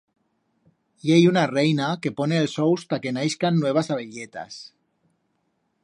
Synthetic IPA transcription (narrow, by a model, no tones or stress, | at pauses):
jejunarejnakeponeːlsowst̪akenajskanːweβ̞asaβeʎet̪a̰s